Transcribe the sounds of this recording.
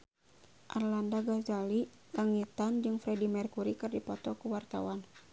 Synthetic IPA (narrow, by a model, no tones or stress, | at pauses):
ʔarlandaɡazali | kaŋit̪and͡ʒɨŋfɾɛdimɛrkuɾikɨrdipɔt̪ɔkuwart̪a̰wan